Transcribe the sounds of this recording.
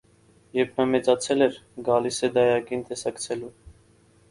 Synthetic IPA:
jɛɾpʰnɑmɛt͡sɑt͡sʰɛlɛɾɡɑlisɛd̪ɑjɑkint̪ɛsɑkt͡sʰɛlu

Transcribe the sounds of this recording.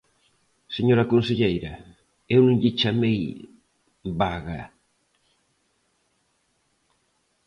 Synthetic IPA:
seɲoɾakonseʎejɾa | ewnũŋʎit͡ʃamej | baɣa

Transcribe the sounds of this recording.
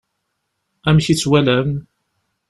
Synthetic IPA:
æmçit͡sːwælæm

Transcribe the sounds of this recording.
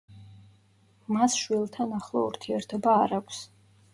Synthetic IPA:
masʃwilˠt̪ʰanaχlˠɔ̰ṵɾt̪ʰiɛɾt̪ʰɛbaːɾakʷʰs

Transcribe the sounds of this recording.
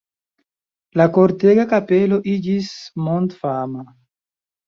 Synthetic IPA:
lakoɾteɡakapelo̞ʔid͡ʒismontfama

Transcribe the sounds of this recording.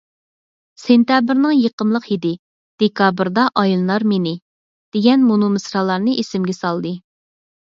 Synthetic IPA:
sent̪jɑbɪɾnɨŋjeqəmlˠəqid̪ɪ | d̪̥ekʰɑbɾd̪ɑʔɑjilˠlˠɑɾmenɪ | d̪̥eɡʲɛnmunumɨsɾɑlˠɑɾnɨʔesɪmɡʲɛsɑlˠd̪ɨ

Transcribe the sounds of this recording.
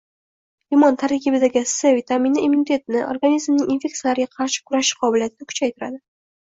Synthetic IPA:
imɒnt̪ʰaɾkʲʰibɪd̪aɡʲɪsɪvit̪ʰaminɪimunit̪ʰe̞t̪̚nɪʔo̰ɾɡanizmnɪŋʲinfʲe̞kt̪ijalaɾɪɡʲaqʰɑɾʃɪ̥kʰʊɾaʃɪ̥qʰɒbɪlijat̪ʰɪd̪akʰʊ̥t͡ʃʰajt̪ʰʊɾa̰d̪ɪ

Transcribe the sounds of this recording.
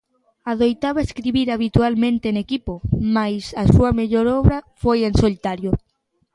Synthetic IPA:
aðojt̪aβaeskɾiβiɾaβ̞it̪ualmẽnt̪enekipomajsɐsuɐmeʎoɾɔβɾafojensolit̪aɾjo

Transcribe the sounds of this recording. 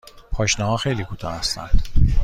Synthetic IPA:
pʰɒːʃnɒɦɒːxe̞jliːkʰuːt̪ʰɒ̰ːhæst̪æ̰nd̪̥

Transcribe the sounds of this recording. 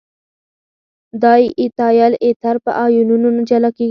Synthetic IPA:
d̪ɑjʔɪt̪ɑjalet̪aɾpə̰ʔɑjununonad͡ʒalake

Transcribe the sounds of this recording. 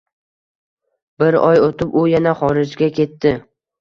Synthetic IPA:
b̥ɪɾɒjot̪ʰɪpʊjanaχɒɾɪd͡ʒɡʲakʲʰe̞t̪ːɪ

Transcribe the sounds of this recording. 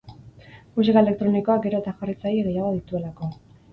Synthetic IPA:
mus̬iɣae̞le̞k̚t̪ɾo̞niko̞aɡe̞ɾo̞et̪axarit͡sajieɣejaðaðit̪ue̞lako̞

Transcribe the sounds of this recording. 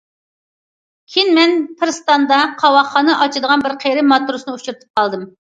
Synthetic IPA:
kʲʰinmɛnpʰɨɾst̪ɑnd̪ɑqʰɑwɑχːɑnɨʔɑt͡ʃʰid̪əʁɑnbɪɾqʰeɾɪmɑt̪ɾusnɨut͡ʃʰuɾt̪ʰɨ̥p̚qʰɑlˠd̪ɨm

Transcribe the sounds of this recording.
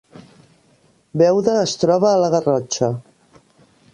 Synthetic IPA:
bɛwðəːst̪ɾɔβəːləɣərɔt͡ʃə

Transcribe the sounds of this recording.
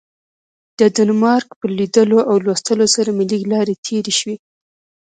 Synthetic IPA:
d̪̥əd̪anmɑɾkpəlid̪əloʔawlwast̪əlosaɾamiliɡlɑɾet̪ʰeɾeʃwi

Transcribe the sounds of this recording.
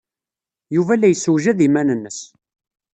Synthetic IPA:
juvælːæjəsːuwʒæðimænənːəs

